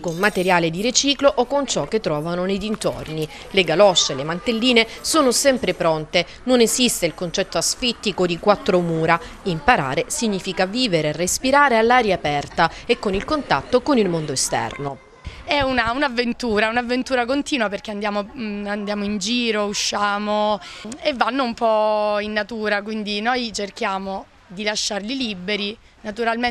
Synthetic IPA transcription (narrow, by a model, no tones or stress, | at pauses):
konmat̪eɾjaːled̪iɾet͡ʃiːkloʔokont͡ʃɔk̟ːet̪ːɾɔːvanoned̪int̪o̰rni | leɡalɔʃːelemant̪elːiːnesoːnosɛmpɾepɾont̪e | nonezist̪eilkont͡ʃɛt̪ːoasfit̪ːikod̪ikwat̪ːɾomuːɾaimpaɾa̰ːɾesiɲːiːfikaviːveɾerespiɾaːɾealːaːɾjaːpɛrt̪aekːonilkont̪a̰t̪ːokonilmond̪oest̪ɛ̰rno | ɛunaunavːent̪uːɾaɛunavːent̪uːɾakont̪iːnwaperk̟eand̪jaːmoand̪jaːmoind͡ʒiːɾouʃːaːmo | evːanːoumpɔinːat̪uːɾakwind̪inojt͡ʃerk̟jaːmo | d̪ilaʃːarlilibːeɾi | nat̪uɾalme